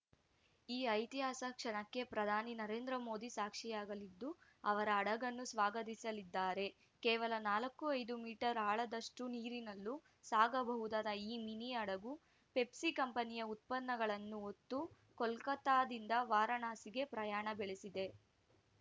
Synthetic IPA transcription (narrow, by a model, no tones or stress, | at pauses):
iːɐjt̪iɦaːsɐkʂɐɳɐkːe̞pɾɐd̪ʱaːninɐɾe̞ːnd̪ɾɐmo̞ːd̪isaːkʂijaːɡɐlid̪ːu | ɐʋɐɾɐːɽɐɡɐnːusʋaːɡɐt̪isɐlid̪ːaːɾe̞ | kɛːʋɐlɐnaːlɐkːuɐjd̪umiːʈɐɾaːɭɐd̪ɐʂʈuniːɾinɐlːu | saːɡɐbɐɦud̪aːd̪ɐiːminiɐɽɐɡu | pe̞psikɐmpɐnijɐut̪̚pɐnːɐɡɐɭɐnːuot̪ːu | kɔlkɐt̪aːd̪ind̪ɐʋaːɾɐɳaːsiɡe̞pɾɐjaːɳɐbeɭesid̪e̞